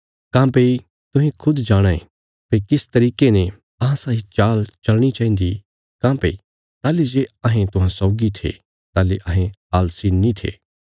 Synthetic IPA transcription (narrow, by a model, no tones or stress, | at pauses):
kãːpei | t̪ʊ̃ɦẽkʰʊd̪d͡ʒaːɽ̃aḛ | pekɪst̪ɐɾiːkenɛ̃ | ɐɦãsaːɦit͡ʃaːlt͡ʃɐlɽ̃it͡ʃaːĩnd̪i | kãːpḛi | t̪aːled͡ʒeɐɦẽt̪ʊɦãsɔːɡit̪ʰḛ | t̪aːleʔɐɦẽaːlsinːĩt̪ʰḛː